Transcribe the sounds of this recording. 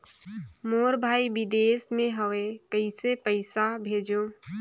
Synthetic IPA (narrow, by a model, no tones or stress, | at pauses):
moːɾbʱaːibɪd̪eːsmẽɦəʋekəisepəɪsabʱeːd͡ʒo